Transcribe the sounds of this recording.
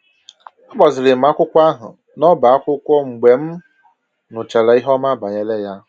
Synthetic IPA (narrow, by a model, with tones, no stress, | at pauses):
ɔ˦bɔ˨zɪ˨ɾɪ˨m̩˨a˦kʷʊ˦kʷa˦ɦʊ̰˨ | nɔ˦ba˨a˦kʷʊ˦kʷɔ˦ŋ͡m̩˨ɡ͡be˨m̩˦ | nʊ˨t͡ʃa˨la˨i˦ɦɔ˦ma˦ba˨ɲe˦le˦ja˦